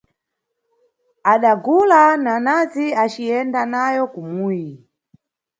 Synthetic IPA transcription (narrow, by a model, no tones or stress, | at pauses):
aɗaɡulananaziat͡ʃiɛndanajɔkumuji